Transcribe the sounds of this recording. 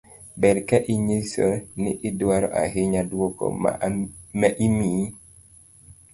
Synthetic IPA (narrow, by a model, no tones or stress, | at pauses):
bɛɾkɛʔiɲesonɪ̰ʔɪdwaɾɔʔa̰ɦɪɲadwokɔ̰ | mɛʔimiː